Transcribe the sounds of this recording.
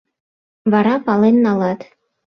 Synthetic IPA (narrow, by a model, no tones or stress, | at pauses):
βɑɾɑpɑlenːɑlɑt̪